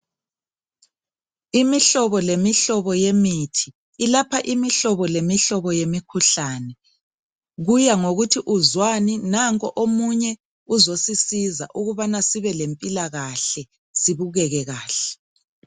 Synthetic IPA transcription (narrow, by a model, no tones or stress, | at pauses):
imiɬɔβɔlemiɬɔβɔjemitʰi̥ː | lapʰaʔimiɬɔβɔlemiɬɔβɔjemikʰuɬaːnɛ | ɣujaŋoɣutʰiʔuzwaninaŋkʼɔʔomuɲɛ | uzosisiza̰ʔuɣuβanasiβɛlempʼilaɣaɬɛ | siβuɣɛɣɛɣaːɬɛ̥